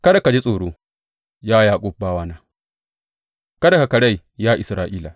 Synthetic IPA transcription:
kɐ˦da˨ka˨d͡ʒi˦sʼoː˨ɽoː˦ | jaː˦jaː˦kʷʼʊ˦b̚baː˦waː˦naː˦ | kɐ˦da˨ka˨kɐ˨ɽa˦˨j | jaː˦ʔɪ˨sɾaː˨ʔiː˦la˨

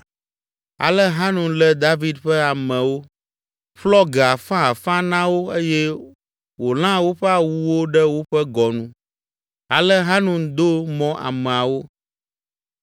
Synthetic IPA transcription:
a̰˨lɛ˦ɦa˦nũ˨lɛ˦d̪a˦vi˦d̪ɸɛ˦a˨mɛ̃˨wo˦ | ɸlɔ˦ɡɛ˨a˨fã˦a˨fã˦nã˦wo˦e˦jɛ˦ | wo˨l̃ã˦wo˦ɸɛ˦a˨wu˦wo˦ɖɛ˦wo˦ɸɛ˦ɡɔ˨nũ˦ | a˨lɛ˦ɦa˦nũ˨d̪o˦mɔ̃˦ʔa̰˨mɛ̃˨a˨wo˦

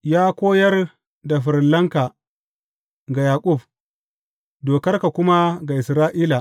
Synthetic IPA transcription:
jaː˦kʷoː˦jɐ˦r | da˨ɸɪ˨ɾlːɐ˦ŋka˨ | ɡa˨jaː˨kʷʼʊ˦˨b | doː˨kɐ˦rka˨kʷʊ˦ma˦ɡa˨ʔɪ˨sɾaː˦ʔiː˦la˨

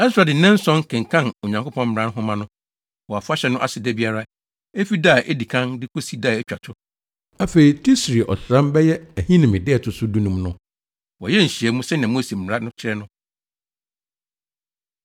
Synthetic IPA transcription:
ɛ˦ssʊ˨ɾa˨dɪ˨n̩˦nɛ̃˦n̩˦sɔ̃˦ŋkʰɛ̃˨ŋ˨kʰã˦˨no˨ɲã˨ŋko˦pʰɔ̃˦m̩˦m̩˨ã˦n˦ɦʊ̃˦mã˦nʊ̃˦ | wɔ˨a˨fʊ˦a˦ɕɛ˨˦nʊ̃˦ʔa̰˨sɪ˨dɛ˦bi˦a˦ɾa˦ | e˦fi˦da˦˨ʔe˦di˨kʰã˦ndɪ˦ko˦si˦daː˦˨ɛ˦t͡ɕᶣa˨tʰʊ˦ | a˦fe˨ɾi˨tʰi˦sɾi˨ʔɔ̰˨sɾã˦mbɛ˦jɛ˦æ˨hĩ˦nɪ̃˨mɪ̃˨dɪ˦ɛ˨tʰʊ˨sʊ˦du˦nũ˦mnʊ̃˦ | wɔ˨jɛ˦ɲ̩˨ɕi˨ɛ˨˦mũ˦sɛ˦nã˨mo˦si˨m̩˨m˨ɾa˦nʊ̃˦t͡ɕʰɪ˦ɾɛ˦nʊ̃˦

